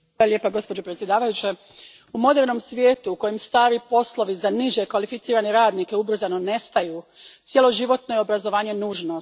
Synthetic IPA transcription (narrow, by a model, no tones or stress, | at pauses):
aljeːpaɡo̞spo̞d͡ʑo̞pɾet̪sjed̪aːʋajut͡ɕe | umo̞d̪eɾno̞msʋjeːt̪uːko̞jimst̪aːɾipo̞slo̞ʋizaniʒjekʋalifit̪siːɾaneɾaːd̪nike̞ubr̩zano̞ne̞st̪ajuːt̪sje̞lˠo̞ʒiʋo̞t̪nojeobɾazo̞ʋaːɲe̞nuːʒno